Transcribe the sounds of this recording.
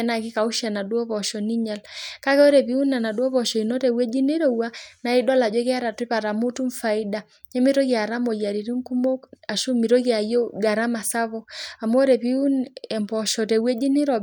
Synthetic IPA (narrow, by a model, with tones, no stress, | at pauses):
ɛ˦na˨ki˦ka˨u˦ʃa˨na˨du˦ɔ˦βɔ˨ʃɔ˨ni˦ɲa˨lka˦kɛ˦ɔ˦ɾɛ˨βi˦u˦na˨na˨ɗu˦ɔ˦βɔ˨ʃɔ˨i˨nɔ˦tɛ˨wɛ˦d͡ʒi˦ni˦ɾɔ˦ua˦na˨i˦dɔ˦la˨d͡ʒɔ˦kɛ˦a˦ɾa˨ti˦pa˨ɾa˨mu˦tu˦ɱfa˨i˦da˨ | ɲɛ˦mi˦ɾɔ˦ɣi˦a˨ɾa˦mɔ˨jja˨ɾi˨ɾi˦ŋku˦mɔ˦a˨ʃu˦mi˨ɾɔ˦ɣi˦a˨jɔ˦ɡa˨ɾa˦ma˨sa˦βɔ˦a˨m˦ɔ˦ɾɛ˨pi˦u˦nɛ˨mpɔ˨ʃɔ˨tɛ˨wɛ˦d͡ʒi˦ni˦ɾɔ˨